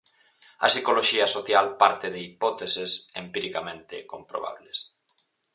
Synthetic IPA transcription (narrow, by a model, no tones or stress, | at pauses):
ɐ̰sikoloʃiasoθjalpaɾt̪eðeipɔt̪esesempiɾikamẽnt̪ekõmpɾo̰βa̰βles